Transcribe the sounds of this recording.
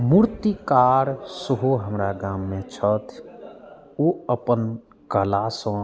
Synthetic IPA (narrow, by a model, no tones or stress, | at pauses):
muɾt̪ikaːɾsəɦoɦəmɾaɡaːmːẽt͡ʃʰət̪ʰ | oəpən | kəlaːsõ